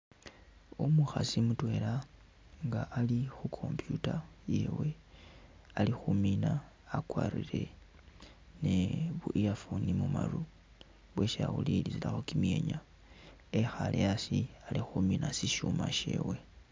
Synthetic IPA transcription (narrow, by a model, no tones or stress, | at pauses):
omuxasimutwe̞la | ŋɡaʔːlixukʰo̞mpjutaje̞we̞ | alixuminaː | kwaːriɾe̞ | neβujafunimumaru | βweʃaulilizilaxokimje̞ːɲa | exalejasialixuminasiʃumaʃe̞̰we̞